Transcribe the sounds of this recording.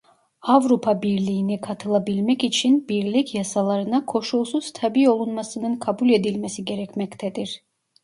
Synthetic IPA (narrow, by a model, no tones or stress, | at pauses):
avɾupʰabiɾlʲijːnikʰat̪ʰɯlˠabilʲmɛcit͡ʃʰinbiɾlʲicʰjasalˠaɾɯnakʰo̞ʃulˠsuz̥t̪ʰabio̞lˠunmasɯnɯnkʰabulʲe̞d̪ilʲmɛsiɟe̞ɾɛcmɛct̪ʰɛd̪iɾ̥